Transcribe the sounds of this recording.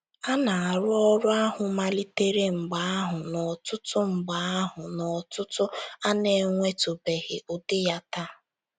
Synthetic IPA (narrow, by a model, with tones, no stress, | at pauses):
a˦na˨a˨ɾʊ˦ɔ˦ɾʊ˦a˦ɦʊ˨ma˦li˦te˦ɾe˦ŋ͡m̩˨ɡ͡ba˨a˦ɦʊ˨nɔ˨tʊ˦tʊ˦ŋ͡m̩˨ɡ͡ba˨a˦ɦʊ˨nɔ˨tʊ˦tʊ˦a˦ne˨ŋʷe˦to˨be˨ɣɪ˨ʔo˨dɪ˦ja˦ta˦